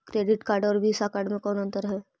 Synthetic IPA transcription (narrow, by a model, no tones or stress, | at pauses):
kɾeːɖɪʈkaːɾɖɔːɾbʱiːsakaːɾɖmẽkɔːnə̃nt̪əɾɦɛː